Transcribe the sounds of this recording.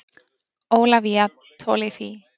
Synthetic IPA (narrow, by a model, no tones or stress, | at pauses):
oːwlaviːa | t̪ʰɔlifi